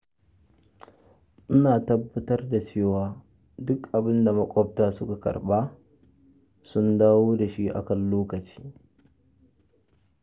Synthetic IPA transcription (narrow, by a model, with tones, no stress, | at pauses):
ʔɪ˦naː˨tɐ˦bːɐ˦tɐ˦rda˨t͡ʃeː˦˨waː˦ | dʊ˦kʔa˨bɪ˦nda˨mɐ˦kʷʼɔ˦p̚taː˦sʊ˦ka˨kɐ̰˨rɓaː˦ | sʊ˦ndaː˦woː˦da˨ʃi˦ʔa̰˨kɐ˨nloː˦kɐ˨t͡ʃi̥ː˦